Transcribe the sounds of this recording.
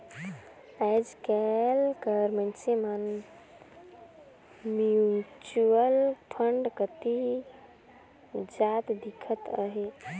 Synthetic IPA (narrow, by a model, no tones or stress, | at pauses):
ad͡ʒkɛlkəɾmə̃nt͡ʃeman | mjut͡ʃuəlpʰəɳɖkət̪i | d͡ʒat̪d̪ikʰət̪əɦe